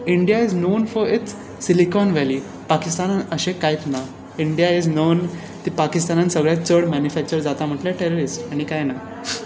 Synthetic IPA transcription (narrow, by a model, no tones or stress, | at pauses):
iɳɖijaid͡znonfɔɾit͡s | silikɔnʋɛli | pakist̪anəɕẽkajt̪na | iɳɖijaid͡znoːn | t̪ipakist̪anansəɡɭat͡səɽmænjufæk̚t͡ɕəɾd͡zat̪am̤əʈlaʈeɾoɾisʈaɽ̃ikajna